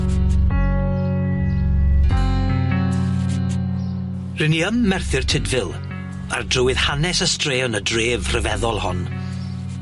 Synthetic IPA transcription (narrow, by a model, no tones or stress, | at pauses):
rɪniəmːɛrθɪrtʰɪdvɪlˠ | a̰rdrʊwɪðhanɛsəstreːɔnədreːvr̥əvɛðɔlˠhɔn